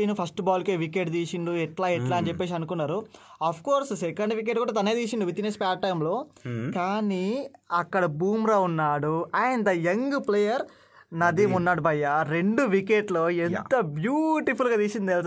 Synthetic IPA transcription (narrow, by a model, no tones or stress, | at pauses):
iːnupʰɐsʈbaːlkeːʋikeʈt̪iːsind̪uɛʈlaːɛʈlaːɐnit͡ʃepːeːs̬iɐnukunːaːɾuɐpʰkoːɾssekɐɳɖʋik̬eʈkuːɽɐt̪̬ɐnɐeːd̪iːsind̪uʋit̪ːinespaːʈːɐjmlo̞ːkaːniɐkːɐɽɐbuːmɾaːunːaːɽuaːjɐnɐd̪ɐjeŋɡpleːjɐɾ | nɐd̪imunːaːɽubʱɐjːaɾeɳɖuʋikeʈlo̞ːent̪ɐbjuːʈipulɡaːt̪iːsind̪ielt̪